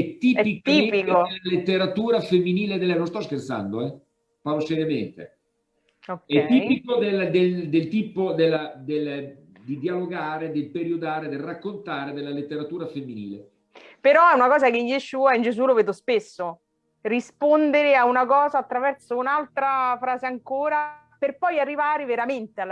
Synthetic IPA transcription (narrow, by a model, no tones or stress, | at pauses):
ɛt̪ːiːɛpikt̪ːiːpikod̪elalet̪ːeɾat̪uːɾafemːiniːled̪elɛnõnst̪ɔskert̪sa̰nd̪oɛ | palosɛɾjament̪ḛ | okːɛt̪ːiːpikod̪eld̪eld̪elt̪iːpod̪elːad̪el | d̪id̪ialoɡaːɾed̪elpeɾiod̪aːɾed̪elrːakːont̪aːɾed̪elːalet̪ːeɾat̪uːɾafemːiniːle | peɾɔɛunakɔːzakeijeʃuːaind͡ʒesuloveːd̪ospesːo | rispond̪eɾeaunakɔːzaːt̪ːɾavɛrt̪sounalt̪ɾafɾaːzeaŋkoːɾa | perpɔjarːivaːɾeveɾament̪eal